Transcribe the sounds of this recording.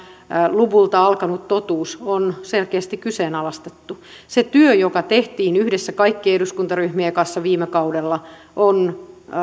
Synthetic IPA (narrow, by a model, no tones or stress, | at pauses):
luʋult̪ɑɑlkɑnut̪t̪ot̪uːsonselkeːst̪ikkyseːnɑlɑst̪e̥t̪ːuset̪yøjokɑt̪eht̪iːnyhdesːækɑikːiehduskunt̪ɑryhmiekɑnsːɑʋiːmekɑudelːɑ | ʔon